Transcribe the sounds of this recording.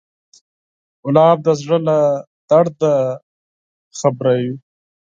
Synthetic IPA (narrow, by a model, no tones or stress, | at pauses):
ʊlɑːb̚d̪azʐəla | d̪aɽd̪a | xabɾaju